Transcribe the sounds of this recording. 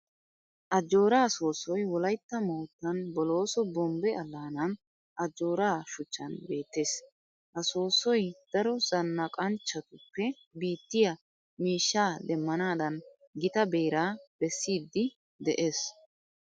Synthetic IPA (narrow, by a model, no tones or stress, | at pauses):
ʔɐd͡ʒːo̞ːɾaːso̞ːsɔjwɔlɐjt̪ːɐmoːt̪ːɐnbɔlo̞ːsɔbɔmbɛɐlːaːnɐn | ʔɐd͡ʒːo̞ːɾaːʃʊt͡ʃːɐ̰nbe̞ːt̪ːe̞ːs | ʔɐso̞ːsɔjd̪̥ɐɾɔz̥ɐnːɐkʼɐnt͡ʃːɐt̪ʊpːɛ | biːt̪ːɪjɐ | miːʃːaːd̪ɛmːɐnaːd̪ɐn | ɡɪt̪ɐbeːɾaːb̥ɛsːiːd̪ːɪ | d̪ɛʔeːs